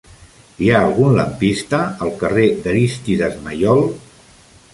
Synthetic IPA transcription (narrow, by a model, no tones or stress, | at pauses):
iaːlˠɣunləmpist̪əːlˠkəred̪əɾist̪iðəzməjɔlˠ